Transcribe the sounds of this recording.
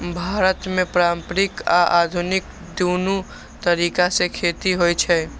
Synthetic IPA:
bʱaːɾət̪mẽpɾaːmpɾɪka̰ʔa̰ːd̪ʱunɪk̚ | d̪uːnu | t̪əɾiːkasekʰeːt̪iɦoit͡ʃʰɛ

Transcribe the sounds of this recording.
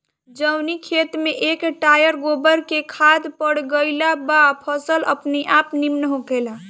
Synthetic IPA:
d͡ʒəwnikʰet̪meʔekʈajəɾɡobəɾkekʰad̪pəɽɡəɪlabapʰəsələ̰pniʔapnimnəɦoɡela

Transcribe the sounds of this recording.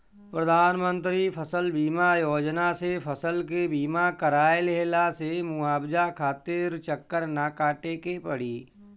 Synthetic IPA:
pɾəd̪ʱaːnmə̃nt̪ɾipʰəsəlbiːmajoːd͡ʒnasepʰəsəlkebiːmakəɾaːjelɦelasemʊaːbd͡ʒakʰaːt̪eɾt͡ʃəkːəɾnakaːʈekepəɽiː

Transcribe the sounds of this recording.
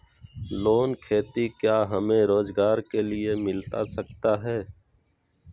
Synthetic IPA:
loːnkʰeːt̪ikjaːɦəmẽɾoːzɡaːɾkelɪemɪlt̪asəkt̪aɦɛː

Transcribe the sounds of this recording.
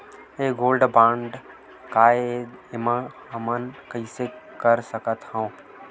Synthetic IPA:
eːɡoːlɖbãːɳɖ | kaːeɪmãɦɐmənkəisekəɾsəkət̪ɦã

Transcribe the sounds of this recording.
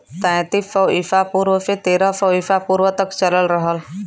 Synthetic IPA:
t̪ɛ̃ːt̪ifəʋɪfapuːɾʋəset̪eːɾəfɐɪfapuːɾʋət̪ɐkt͡ʃɐləlɾəɦəl

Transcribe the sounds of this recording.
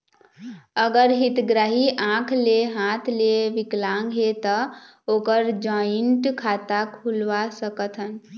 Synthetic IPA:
əɡəɾɦit̪ɡɾaɦiʔãkʰleɦãt̪ʰleʋiklãŋɡɦet̪ə | okəɾd͡ʒɔiɳʈkʰat̪akʰulʋasəkət̪ʰən

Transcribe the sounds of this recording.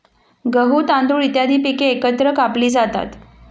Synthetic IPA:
ɡəɦuːt̪and̪uːɭit̪jad̪ʱiːpikeːkət̪ɾəkapliːd͡zat̪a̰t̪

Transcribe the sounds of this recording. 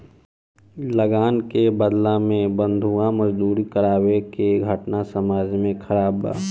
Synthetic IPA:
ləɡaːnkebəd̪lãmẽbə̃nd̪ʱuamɐd͡ʒd̪uːɾikɐɾaːwekeɡʱəʈnasɐmaːd͡ʒmẽkʰɐɾaːba̰ː

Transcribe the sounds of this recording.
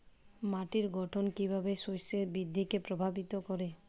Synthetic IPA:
maʈiɾɡɔʈʰɔnkibʱabesojsebid̪ʱːikepɾɔbʱabit̪ɔkɔɾe

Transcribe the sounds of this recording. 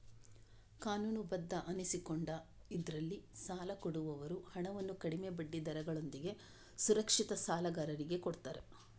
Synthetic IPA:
kaːnuːnubɐd̪ːɐʔɐnisikoɳɖɐid̪ɐɾɐlːisaːlɐkoɽuʋɐʋɐɾuhɐɳɐʋɐnːukɐɽimebɐɖːid̪ɐɾɐɡɐɭo̞nd̪iɡe̞ | suɾɐkʂit̪ɐsaːlɐɡɐɾɐɾiɡe̞koɽt̪ɐːɾe

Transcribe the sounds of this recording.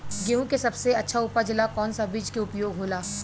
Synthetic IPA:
ɡeːũkesɐbseɐtːʃʰaʊːpad͡ʒɪlakɔːnsabiːd͡ʒkeʊpjoːɡɦoːlaː

